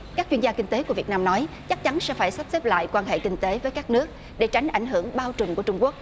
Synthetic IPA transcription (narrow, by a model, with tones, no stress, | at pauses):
kaː˦˥k̚t͡ɕwi˧əzaː˧kï˧ŋ̟t̪e˨˦ku˧˩əvi˨˩ət̚naː˧mnɔ˨˦j | t͡ɕa˦˥k̚t͡ɕa˨˦nsɛ̰˧˥faː˧˩jsa˦˥p̚sɛ˦˥p̚la̰ː˧˨jkwaː˧nɦḛ˧˨kï˧ŋ̟t̪e˨˦vəː˨˦jkaː˦˥k̚nɨ˦˥ək̚ | ɗe˧˩t͡ɕa˨˦jŋ̟ʔa˧˩jŋ̟ɦɨ˧˩əŋɓaː˧wt͡ɕʊ˨˩ŋku˧˩ət͡ɕʊ˧ŋ͡mku˦˥ək̚